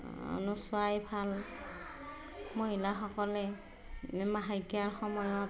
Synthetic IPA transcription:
ɔ̰nuswajbʰʱal | mɔɦilaxɔkɔlɛ | mmaɦajkiaɹxɔmɔjɔt

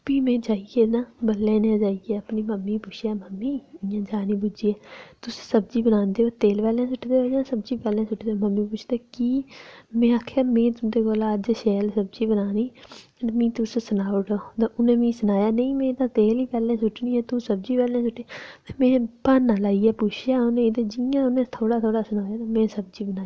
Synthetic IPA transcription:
biːmẽːd͡ʒaːieːnãːbəlːẽːnɛ̃ːd͡ʒaːijeːəpniːməmːiːpʊt͡ʃʰjaːməmːiːjãːd͡ʒaːnĩːbʊd͡ʒiːɛːt̪ʊssəbd͡ʒiːbənãːnd̪eːoːt̪eːlpɛːlẽːsʊʈʰːd̪eːoːd͡ʒãːsəbd͡ʒiːpɛːlẽːsʊʈʰd̪eoməmːiːp̬ʊt͡ʃʰd̪eːkiːmẽːaːkʰaːmẽːt̪ʊd̪eːɡoːlaːəd͡ʒʃɛːlsəbd͡ʒiːbənaːniː | mĩːt̪ʊssənaːoʈoːd̪aːʔʊnẽːmĩːsənaːjaːnəĩːmẽːd̪ãːt̪eːliːpɛːlẽːsʊʈːniːɦɛːt̪ũːsəb̚d͡ʒiːpɛːlẽːsʊʈːeːmɛ̃ːpaːnːãːlaːiːaːpʊt͡ʃʰjaːʊnẽːd̪eːd͡ʒɪjãːʊnẽːt̪ʰoːɽaːt̪ʰoːɽaːsənaːjaːnaːmɛ̃ːsəb̚d͡ʒiːbənaː

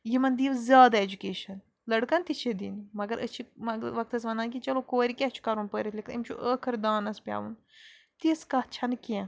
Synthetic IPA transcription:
jimɐnd̪iːʋzʲjaːd̪aed͡ʒukeːʃɐn | lɐɽkɐnt̪it͡ʃʰed̪ḭːnmɐɡɐɾʔə̰t͡ʃʰimɐʋɐk̚t̪ɐsʋɐnd̪aːnkʲit͡ʃɐloːkoːɾʲikʲɛt͡ʃʰu̥kɐɾunpəːɾʲit̪lʲikʰt̪imʲt͡ʃʰṵʔəːkʰɐɾd̪aːnɐspʲja̰ːʋun | t̪iskɐt͡ʃʰɐnkiẽ

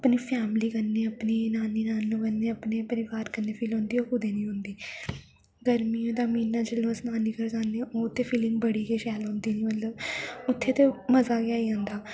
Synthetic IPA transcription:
əpniːpʰɛːmliːkəɾneːəpniːnaːniːnaːnũːbənːeːəpneːpəɾɪʋaːɾkəneːpʰiːlɦõːnd̪iːoːkʰʊd̪eːnĩːɦʊ̃nd̪iː | ɡəɾmiːõːd̪aːmiːnːaːd͡ʒəlõːsnaːniːkəɾkaneːoːʊt̪ʰːeːpʰiːlɪ̃ŋɡbəɽiːkeːʃɛːlɦõːnd̪iːnĩːmələʊt̪ʰːeːt̪eːməzaːɡɪaːiːãːnd̪aː

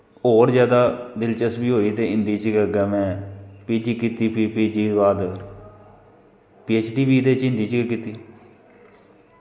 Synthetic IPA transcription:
oːɾzjaːd̪aːd̪ɪlt͡ʃəsbiːɦoːiːt̪eːɪnd̪iːt͡ʃɡəɡɛmɛ̃ːpiːd͡ʒiːkiːt̪iːpiːpiːd͡ʒiːʋaːd̪ | piːeːt͡ʃɖiːbiːd̪eːt͡ʃɪnd̪iːt͡ʃɡekiːt̪iː

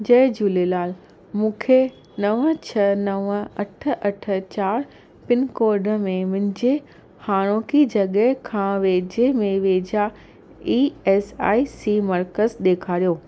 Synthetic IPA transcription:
d͡ʑɐɪd͡ʑuːlelaːl | mũːkʰe | nɐʋət͡ɕʰɐnɐʋə̆ɐʈʰə̆ʔɐʈʰə̆t͡ɕaːɾ | pɪnkoːɾɖə̆mẽmʊ̃ɪ̃ɲd͡ʑe | haːɽ̃oːkid͡ʑɐɠəɦkʰãʋeːd͡ʑemẽʋeːd͡ʑa | ieːsa̰ːisimɐɾkəzɗeːkʰaːɾijoː

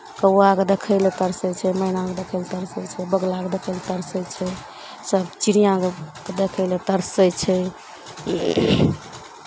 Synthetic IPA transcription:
kəaked̪ekʰəɪlet̪əɾsəjt͡ʃʰɛmənãked̪ekʰəɪlt̪əɾsəjt͡ʃʰɛbəɡlaked̪ekʰəɪlt̪əɾsəjt͡ʃʰɛ | səb̚t͡ʃiɾijãke | d̪ekʰəɪlet̪əɾsəjt͡ʃʰɛ

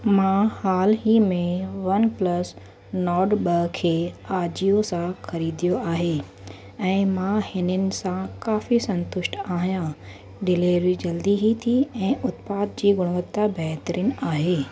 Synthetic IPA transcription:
mãhaːlɦimẽʋɐnplɐs | nɔːɾɖɓɐkʰeːaːd͡ʑijosãxɐɾiːd̪ijoaːɦeː | ɛ̃ːmãhɪnənɪ̆sãkaːfisɐ̃nt̪ʊʃʈaːɦjã | ɖɪleːɾid͡ʑɐld̪iɦit̪ʰiɛ̃ːʔʊt̪paːd̪̚d͡ʑiːɡʊɽ̃ʋət̪ːabɛɦt̪əɾiːnaːɦeː

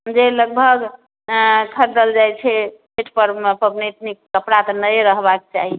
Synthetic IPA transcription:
d͡ʒeləɡ̚bʱəɡ | kʰəɾd̪əld͡ʒajt͡ʃʰɛpʰeʈʰpəɾpəbnet̪nikːəpɾat̪ɔnəjɾəɦbakt͡ʃa̰ɦi

